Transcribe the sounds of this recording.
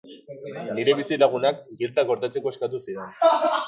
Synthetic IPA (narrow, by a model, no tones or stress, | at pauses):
niɾe̞βisilaɣ̞unakɡilt͡s̪aɡo̞ɾt̪at͡se̞ko̞eskat̪̬usiɾe̞n